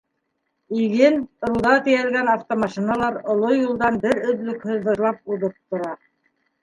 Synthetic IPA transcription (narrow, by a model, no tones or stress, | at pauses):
iɡɘnŏlˠd̪ɑt̪ijælɡænɑft̪omɑʃinɑlˠɑɾŏlˠojulˠd̪ɑnbɘɾɵ̆ðlɵ̆khɵðɤ̆ɾlˠɑp̚uðɤp̚t̪ŏɾɑ